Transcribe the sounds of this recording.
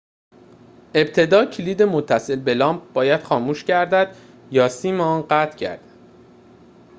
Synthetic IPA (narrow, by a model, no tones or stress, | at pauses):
e̞b̚t̪ʰe̞d̪ɒːcʰiliːd̪e̞mot̪ʰːæse̞lbe̞lɒːmp̚b̥ɒːjæd̪̥xɒːmuːʃcæɾd̪æd̪̥ | jɒːsiːmeɒːnɢæt̪ʰcʰæ̰ɾd̪æd̪̥